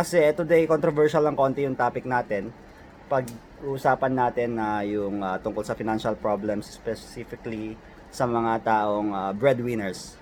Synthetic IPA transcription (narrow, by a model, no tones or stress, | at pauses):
kɐsɛʔɛt̪ʊd̪ɛjkont̪ɾovɛɹʃɐlɐŋko̞ːnt̪ɛjʊŋt̪aːpɪk̚naːt̪ɛn | pɐɡ | ʔuʔsaːpɐnːaːt̪ɛnːɐjʊŋɐt̪ʊŋkolsɐfɪnanʃɐlpɹoblɛmsspɛsifɪkli | sɐmɐŋat̪aːʔoŋɐbɹɛd̪wɪnɛɹs